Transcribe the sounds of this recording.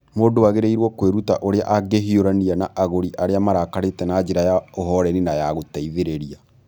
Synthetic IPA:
moːdowaɣeɾeiɾwɔkweɾutaʔoɾea̰ʔaɡeɦioɾanianaʔaɣoɾiʔaɾeamaɾakaɾetɛnad͡ʒeɾajaoɦɔɾɛninajaɣotaiðeɾeɾia

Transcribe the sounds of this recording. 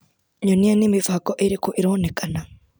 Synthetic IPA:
ɲonijanimivakoʔiɾikuʔiɾonekʰana

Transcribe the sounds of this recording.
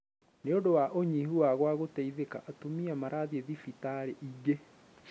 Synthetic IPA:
neondowaʔoɲiɦuwaɣwaɣotaiðeka̰ʔatomiamaɾʔaðieðifitaɾeʔiɡe

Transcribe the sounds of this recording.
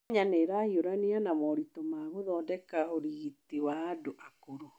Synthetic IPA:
ɲaneːɾahioɾanianamɔɾitomaːɣoðɔːdɛkaoɾiɣitiwaːdoʔakoɾo

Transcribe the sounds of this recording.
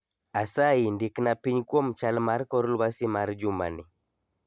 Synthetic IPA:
asaindiknapiɲkwɔmt͡ʃalmaɾkɔɾulbasimaɾd͡ʒuma̰ni

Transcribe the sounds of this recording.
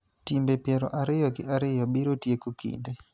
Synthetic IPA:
timbepjɛɾɔʔaɾɪjɔɡɪʔaɾɪjɔbiɾotjekukḭnde

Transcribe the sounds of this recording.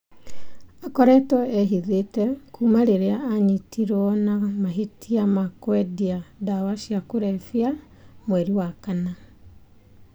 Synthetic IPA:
akɔɾɛtɔeɦiðetɛkʰuːmaɾeɾeaːɲitiɾɔnamaɦitʰiamakwɛdiadawaʃiakoɾɛfia | mwɛɾiwakana

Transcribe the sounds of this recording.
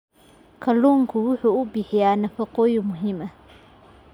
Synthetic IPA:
kʰɐluːŋkʰʊwʊħuːʊbɪħɪjaːnɐfɐqɔːjʊmʊɦɪmɐ

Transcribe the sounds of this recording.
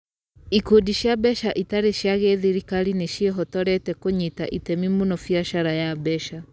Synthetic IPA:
ikodiʃjabɛʃaʔitaɾeʃjaɣeðiɾikaɾineʃiɛɦɔtɔɾɛtɛkoɲitaʔitɛmimunɔfiaʃaɾajabɛʃa

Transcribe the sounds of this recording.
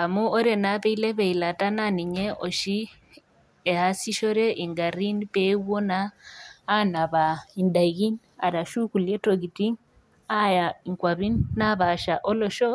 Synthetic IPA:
amuoɾenaβeileβeilatananiɲeʔoʃi | ehasiʃoɾeʔiŋɡaɾinipewonaː | naβaindaɣin | a̰ɾaʃukuljetoɡitiŋ | ajaiŋkwaβinnaβaʃaʔoloʃo

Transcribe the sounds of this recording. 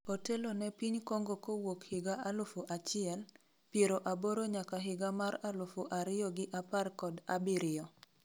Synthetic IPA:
otelonɛpiɲkoŋɡokowokhɪɡaalʊfoʔat͡ʃɪɛl | pjeɾoʔaboɾoɲakaɦɪɡamaɾalʊfoʔaɾɪɔɡɪʔaparkɔda̰bɪɾɪɔ

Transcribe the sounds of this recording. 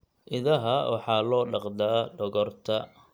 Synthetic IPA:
ʔɪðɐɦɐwɑħɑːlɔːɖɑqd̪aːɖɔɣɔrt̪ʰɐ

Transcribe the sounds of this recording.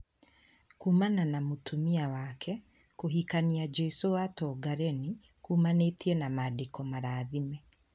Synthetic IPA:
kuːmananamotʰumiawakʰɛ | koɦikaniad͡ʒesowatɔɡaɾeni | kuːmanetiɛnamadikɔmaɾaðimɛ

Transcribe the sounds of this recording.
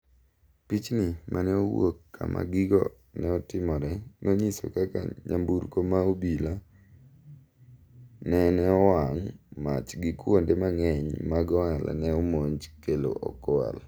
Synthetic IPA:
pit͡ʃnɪmʔanɛowokːa̰mʔa̰ɡɪɡɔ̰ | nɛɔtɪmɔɾɛnoɲiso̰kaka̰ɲa̰mbuɾkomaobila | nɛnɛɔwaŋmat͡ʃɡɪkwondemaŋɛɲmaɡɔŋala̰nɛɔmoɲt͡ʃkelo̰ʔɔ̰kwa̰l

